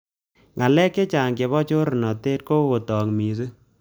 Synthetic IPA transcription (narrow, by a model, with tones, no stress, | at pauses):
ŋʔa˨lɛ˦kːe˦t͡ʃaː˨ŋke˨βɔ˦t͡ʃo˦ɾnɔ˨te˦t̚ko˦ɣo˨tɔ˨ŋmi˨s̬ɨ˦